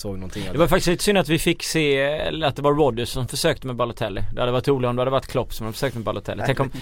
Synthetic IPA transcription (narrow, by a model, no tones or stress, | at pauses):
soːɡnɔnt̪ɪd̪ɛvaɾfakt̪ɪst̪iːt̪əsʏnːat̪vɪfɪkːseːɛ̰lat̪̚d̪ɛvaɾːɔd̪əɔmfœʂøːk̚t̪əmɛbalʊt̪ʰɛlːɪd̪ɛhad̪əvaʈːɾuːlɪɔmd̪ɛhad̪əvaʈ̪ːkʰlɔpːsɔmhad̪əfœ̥ʂøːk̚t̪əmɛbalʊt̪ʰɛ̰lːɪt̪ʰɛŋkːɔm